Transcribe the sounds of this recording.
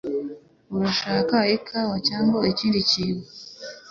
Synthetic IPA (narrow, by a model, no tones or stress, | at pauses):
uɾaʃaːkaekʰawacaːŋɡoeciːndiciːɡo